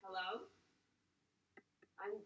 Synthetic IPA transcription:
hɛloʊ | ʔãɪ̃m

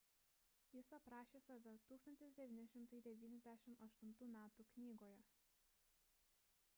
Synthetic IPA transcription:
jɪsɐpɾɑːʃʲeːsɐʋʲɛt̪uːkst̪ɐnʲt̪ʲɪsd̪ʲɛʋʲiːnʲɪʃʲɪmt̪ɐɪd̪ʲɛʋʲiːnʲɛzʲd̪ʲæʃʲɪmɐʃt̪ʊnt̪uːmʲæːt̪uːknʲiːɡoːjɛ

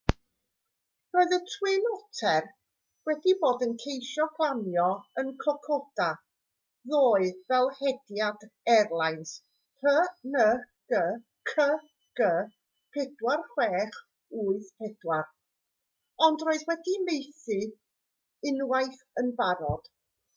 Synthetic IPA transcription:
roːɨðətʰwɪnɔtʰɛr | wɛdiboːdənkʰejʃɔɡlˠanjɔənkʰɔkʰɔd̥a | ðoːɨvɛlˠhɛdjadɛrlˠajns | pʰənə | ɡ̥ə | kʰə | ɡ̥ə | pʰɛdwarχwɛːχ | uːɨðpʰɛdwar | ɔndroːɨðwɛdimejθɨ | ɪnwajθ | ənvaɾɔd̥

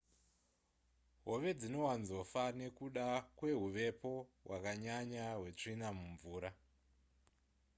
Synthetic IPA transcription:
ɦo̞ʋe̞d͡zino̞wanzo̞fane̞kuɗakwe̞ɦuʋe̞po̞ɦwakaɲaɲaɦwe̞t͡ʂinamuɱvuːɾa

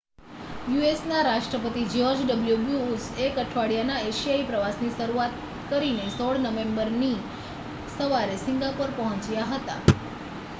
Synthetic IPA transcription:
juesnaɾaʃʈɾəpət̪id͡ʒɔɾd͡ʒɖəbljubjuusekəʈʰʋaɽijanaeʃijaipɾəʋasnisəɾuat̪̚ | kəɾinesɔɽnəʋẽmbəɾni | səʋaɾesɪŋɡapəɾpəɦɔ̃t͡ʃjaɦət̪a̰

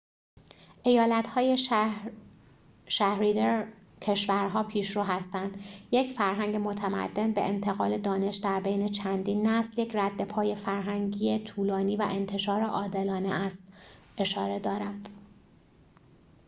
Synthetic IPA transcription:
ʔe̞jɒːlæt̪hɒːje | ʃæhɾid̪eɾ | cʰe̞ʃvæɾɦɒːpʰiːʃɾuːɦæst̪ænd̪̥je̞cfæɾɦæŋɟe̞mo̞t̪ʰæmæ̰d̪̥ːe̞nbe̞̰ʔent̪ʰe̞ɣɒːle̞d̪ɒːne̞ʃd̪æɾbe̞jne̞t͡ʃʰænd̪iːnːæsljecʰræd̪ːe̞pʰɒːje̞fæɾɦæŋɟiːet̪ʰuːlɒːniːvæ̰ʔe̞nt̪ʰe̞ʃɒːɾeʔɒːd̪e̞lɒːnḛʔæst̪ʔe̞ʃɒːɾe̞d̪ɒːɾænd̪̥

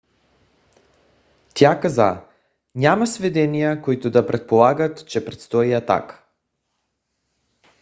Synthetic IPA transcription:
t̪jakaza̰ | ɲamasvɛd̪ɛnijakoit̪od̪apɾʔɛt̪̚polˠaɡat̪t͡ʃɛpɾɛt̪st̪ɔiat̪a̰k

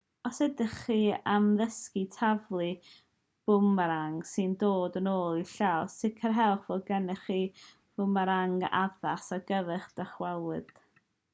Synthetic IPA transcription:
ɔsɛdəχiamðəskitʰavlˠɨ | b̥ʊmaɾaŋsɨndoːdənoːlˠiɬasɪkʰərɦɛlˠχvɔlɡɛnɨχiː | b̥ʊmaɾaŋa̰ðasaɡəvɨχd̥əχwɛlˠɨd̥

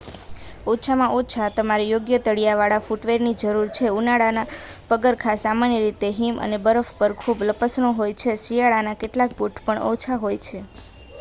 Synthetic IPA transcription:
ot͡ʃʰamãʔot͡ʃʰat̪əmaɾijoɡjət̪əɽijaʋaɭafuʈʋeɾnid͡ʒəɾuɾt͡ʃʰeunaɽana | pəɡəɾkʰasamanjəɾit̪eɦimə̰nebəɾəfpəɾkʰubləpəsɳoɦojt͡ʃʰesijaɭanakeʈlak̚buʈʰpəɳʔo̰t͡ʃʰaɦojt͡ʃʰe

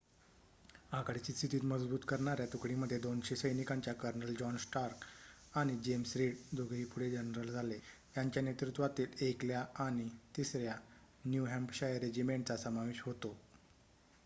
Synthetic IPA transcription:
akɽit͡ɕiːst̪ʰit̪iːt̪məd͡zbuːt̪kəɾɳaɾjat̪ukɽiməd̪ʱːjed̪onɕesəjnikaɲt͡ɕjakəɾnəld͡ʑɔnsʈaɾkaɽ̃id͡ʑemsɾiɽd̪oɡʱɾiːpuɽed͡ʑənɾəld͡zʱale | jaɲt͡ɕjanjet̪ɾut̪ʋat̪iːlekljaaɽ̃it̪isɾja | njuɦɛmpɕajəɾed͡ʑimeɳʈ̚t͡sasəmaʋeɕɦot̪o

